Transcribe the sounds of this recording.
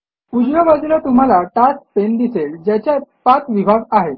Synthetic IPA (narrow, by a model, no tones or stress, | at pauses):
ud͡ʑjobad͡zilat̪um̤alaʈaspend̪iseld͡ʑjat͡ɕjapat͡s̪ʋibʱaɡaɦet̪